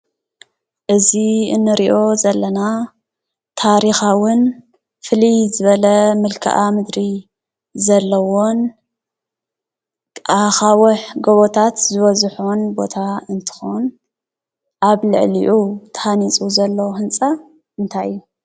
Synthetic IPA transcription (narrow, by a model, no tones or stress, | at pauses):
ʔɨziɨnːɨɾiʔo̞zɐlːɐna | t̪ʰaɾixawɨn | fɨlijzɨβɐlɐmɨlkʰɨ̰ʔamɨd̪ɾi | zɐlːɐwon | ʔaxawɐħɡoβot̪ʰat̪zɨβɐzħonbo̞t̪ʰaɨnt̪ʰɨ̥xon | ʔaβlɨ̰ʕliʔut̪ʰɐ̥hanit͡sʼuzɐlːɐwhɨnt͡sʼa | ʔɨnt̪ʰaju